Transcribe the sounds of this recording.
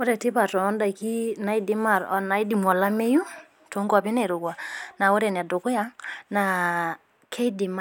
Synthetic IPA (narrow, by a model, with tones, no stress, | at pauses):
wɔ˦ɾɛ˨tɪ˦pa˨tɔ˨ɔ˦nda˨i˨ki˦na˨˦i˦dɪ˦ma˨ɾɔ˦na˨i˦di˨m˨ɔ˨la˦me˦ju˦ | to˨˦ŋɡa˨pi˦ne˨ɾu˨ɡwa˨na˨wɔ˦ɾɛ˨na˨dʊ˨kʊ˦ja˦ŋna˨ | kʰe˦i˦dɪ˨ma˦